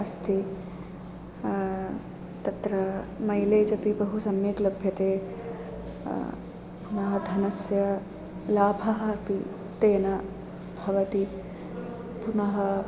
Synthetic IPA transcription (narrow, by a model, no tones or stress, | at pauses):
ɐst̪ʰi | t̪ɐt̪ɾɐmɐjleːd͡ʒɐpibɐɦusɐmjeklɐbʱjɐt̪eː | punɐɦɐd̪ʱɐnɐsjɐ | laːbʱɐɦɐːpi | t̪eːnɐ | bʱɐʋɐt̪i | punɐɦɐ